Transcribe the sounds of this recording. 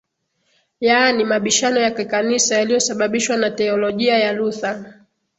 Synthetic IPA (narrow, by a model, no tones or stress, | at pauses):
janimaɓiʃanɔjakikanisajalijɔsaɓaɓiʃwanatɛɔlɔʄiajaluθa